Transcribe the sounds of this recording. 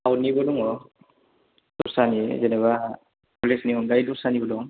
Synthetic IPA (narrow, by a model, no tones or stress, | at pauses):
awnibɔdɔŋɔ | duɾsanizenaβa | pɔlesniɔŋɡajduɾsanibɔdɔŋ